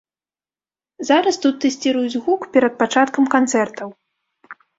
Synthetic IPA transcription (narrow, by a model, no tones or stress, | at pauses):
zaɾɐst̪ut̪ːɛsʲt͡sʲiɾujud͡zʲɣukpʲɛɾɐt̪̚pat͡ʂat̪kɐmkant̪sɛrt̪ɐw